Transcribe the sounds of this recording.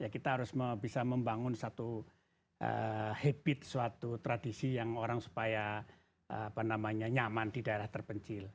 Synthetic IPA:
jakit̪aɦaɾʊsməbisaməmbaŋʊnsat̪u | ʔə̰hɛbɪt̪̚suat̪ut̪ɾadisijaŋoɾaŋsu̥paja | əapanamaɲaɲamandidaeɾaht̪ərpəɲt͡ʃɪl

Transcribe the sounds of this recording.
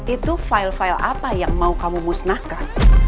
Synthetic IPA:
it̪ufailfailʔa̰pajaŋmaukamumusnahkan

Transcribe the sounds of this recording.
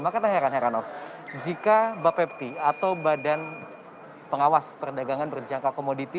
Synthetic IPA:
makat̪aheɾanɦeɾanɔfd͡ʒikabapɛp̚t̪iat̪awbadan | pəŋawaspərdaɡaŋanbərd͡ʒaŋkakomodit̪i

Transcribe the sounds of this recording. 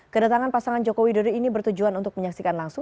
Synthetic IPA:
kədat̪aŋanpasaŋand͡ʒokowidodoinibərt̪ud͡ʒuanunt̪ʊk̚məɲaksikanlaŋsʊ

